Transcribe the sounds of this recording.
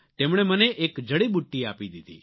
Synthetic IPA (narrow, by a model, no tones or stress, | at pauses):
t̪emɽ̃eməneʔekd͡ʒəɽiɓuʈːiaːpid̪id̪ḭ